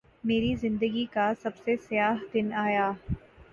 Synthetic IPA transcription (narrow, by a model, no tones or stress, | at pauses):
meːɾizɪ̃nd̪əɡikasɐbsesɪjaːɦd̪ɪnaːjaː